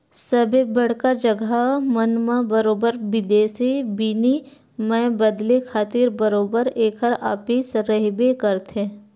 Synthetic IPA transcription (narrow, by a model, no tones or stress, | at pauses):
səbʱebɐɽ̤kad͡ʒəɡamənmabəɾoːbəɾbɪd̪eːsibini | mɛ̃bəd̪lekʰaːt̪iːɾbəɾoːbəɾeːkʰəɾa̰ːpiːsɾəɦbekəɾt̪ʰe